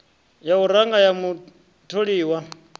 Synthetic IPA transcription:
jauɾaŋɡajamu | tʰoɺiːwa

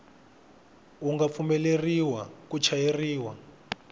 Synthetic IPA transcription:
uŋɡap̪fumɛleriwakut͡ʃʰajeriːwa

